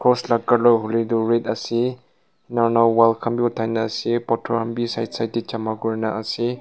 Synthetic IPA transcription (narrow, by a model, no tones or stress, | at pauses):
kʰɔslakːaɾlɔɦuliduɾet̚ɐsi | naɾnalwalkʰɐmbiutʰːajnaːsipɔtʰɔɾhɐmbisajtsajtit͡ʃamaɡuɾnaɐsi